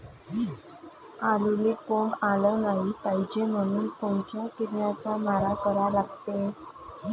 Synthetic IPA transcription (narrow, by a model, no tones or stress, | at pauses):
alulekoɖalənaɦipaɦid͡ʑem̤əɽ̃uːnpəwt͡ɕjakiɾnjat͡samaɾakəɾalaɡt̪e